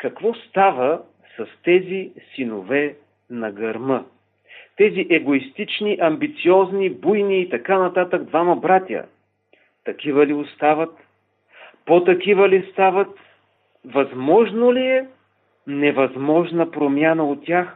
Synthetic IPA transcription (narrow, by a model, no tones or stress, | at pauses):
kɐkvɔst̪avə | sɐst̪ɛzisinovɛ | nɐɡɐɾmɤ | t̪ɛziʔɛɡoist̪it͡ʃniʔɐmbit̪siɔznibujniːt̪ɐkanɐt̪at̪əɡd̪vamɐbɾat̪ʲə̰ | t̪ɐkʲivəliʊst̪avɐt̪ | pot̪ɐkivəlist̪avɐt̪ | vɐzmɔʒnoliɛ | nɛvɐzmɔʒnəpɾomʲjanəot̪tːʲjax